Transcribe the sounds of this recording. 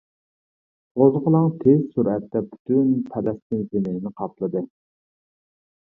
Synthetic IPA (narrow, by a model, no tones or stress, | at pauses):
ʁozˠʁəlˠɑŋt̪ʰez̥suɾɛt̪ːɛpy̥t̪ʰynpʰɛlɛst̪ɪnzɪmɪnɪnɪqʰɑplˠɨd̪ɨ